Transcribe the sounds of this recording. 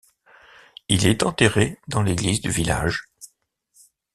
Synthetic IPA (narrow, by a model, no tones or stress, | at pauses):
ilɛt̪ɑ̃t̪eʁed̪ɑ̃leɡlizd̪yvila̰ʒ